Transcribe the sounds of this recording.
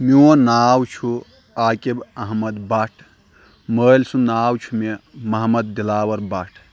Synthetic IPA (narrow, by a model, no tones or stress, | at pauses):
mionaːwt͡ʃʰu | aːkebɐɦmɐd̪baʈʰ | məːlsũnaːwt͡ʃʰumemɐɦmɐd̪̚ːilaːwɐɾbaʈʰ